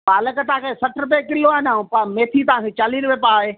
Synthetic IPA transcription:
baːləkət̪ãːkʰeːsɐʈʰɾʊp̬ẽːkɪloaːnaːũpameːt̪ʰit̪aãkʰet͡ɕaːliːnʋeːpaːɦeː

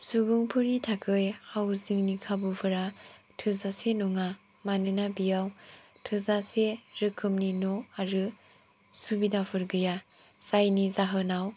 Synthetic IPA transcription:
subuŋpʰɯɾitʰakʰɯjhawziŋnikʰabɯpʰɯɾatʰɯzasenɔŋa | manɯnabijaw | tʰɯzaseɾɯkʰɯmninoaɾɯ | subidapʰɯɾɡɯjasajnizaɦɯnaw

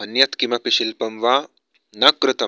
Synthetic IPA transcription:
ɐnjɐt̪kimɐpiʃilpɐmʋaː | nɐkɾut̪ɐ

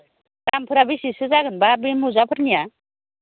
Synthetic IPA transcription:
tampʰɯɾabisisɯzaɡɯnbabimuzapʰɯɾnija

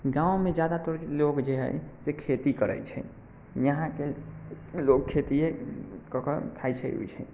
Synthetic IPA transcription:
ɡãwmed͡ʒad̪at̪oɾlokd͡ʒeɦə̰jsekʰet̪ikəɾə̰jt͡ʃʰɛ̰ | jəɦãke | lokkʰːet̪iekɔkəkʰajt͡ʃʰɛ̰o̰jt͡ʃʰɛ̰

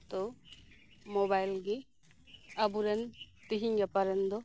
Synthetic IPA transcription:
t̪ɔ | mɔbajlɡi | abuɾɛnt̪iɦiŋɡapaɾɛnd̪ɔ

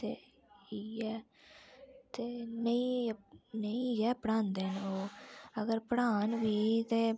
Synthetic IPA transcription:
t̪eː | iːɛː | t̪eːnəĩ | nəĩːɡɛːpɽãːnd̪eːnoːəɡəɾpəɽaːnʋiːt̪eː

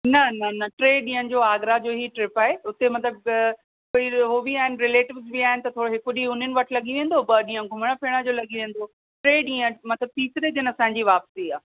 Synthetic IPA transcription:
nɐnɐnɐʈɾeːɗĩːə̃nɪ̆d͡ʑoːaːɡɾad͡ʑoːɦiʈɾɪpaːɦeʊt̪emɐt̪ləb̚ | koːiɦoːʋiaːɦɪnɪ̆ɾɪleːʈɪʋzbiaːɦɪnɪt̪ɐt̪ʰoːɽoɦɪkʊɗiʊn̤ənɪʋɐʈʰlɐɠiʋẽːn̆d̪obɐɗĩːə̃ɡʱʊmɽ̃apʰiɽ̃ãd͡ʑoːlɐɠiʋẽːn̆d̪o | ʈɾeːɗĩːə̃mɐt̪ləb̚t̪iːsɪɾed͡ʑinɐsãːɲd͡ʑiʋaːpsiaː

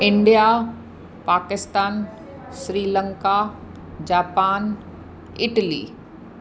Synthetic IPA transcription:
ɪ̃ɳɖija | paːkɪst̪aːn | sɾiːlə̃ŋka | d͡ʑaːpaːn | ɪʈəlḭː

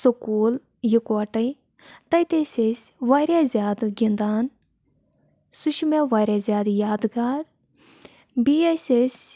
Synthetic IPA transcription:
sokuːl | jukɐʈɐj | t̪ɐjt̪eːsʲesʲʋaːɾʲjaːzʲjaːd̪ɡʲind̪aːn | suʃmeʋaːɾʲjaːzʲjaːd̪jaːd̪ɡaːɾ | biːesʲesʲ

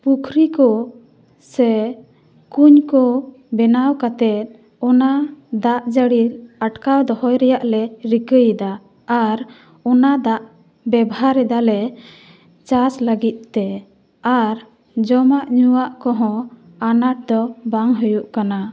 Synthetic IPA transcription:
pukʰɾikɔ | sɛ | kuɲkɔ | bɛnawkat̪ɛt̪̚ˀ | ɔnad̪aʔd͡ʒəɽiɾaʈkawd̪ɔhɔjɾɛjaʔlɛɾikəjd̪aː | ɾ | ɔnad̪aʔ | bɛbɦaɾɛd̪alɛ | t͡ʃasləɡit̪̚ˀt̪ɛ | aɾ | d͡ʒɔmaʔɲuwaʔkɔɦɔ̃ | anaʈ̚d̪ɔbaŋɦujuʔkana

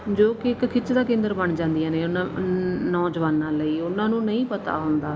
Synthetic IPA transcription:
d͡ʒoːkɪɪkkʰɪt͡ʃd̪aːkẽːnd̪əɾbəɳd͡ʒãːnd̪ijãːneːʊnãnɔːd͡ʒʋaːnːaːləiːʊnãːnũːnəĩːpət̪a̰ːɦʊnd̪aː

